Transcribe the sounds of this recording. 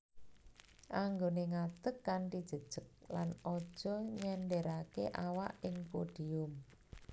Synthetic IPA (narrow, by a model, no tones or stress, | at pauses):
ʔaŋɡoneŋat̪əkːaɳʈid̥ʒ̥ə̤d̥ʒ̥ək̚lanɔd̥ʒ̥ɔ̤ɲɛnɖɛɾakeʔawaʔɪŋpoɖ̥i̤ʊm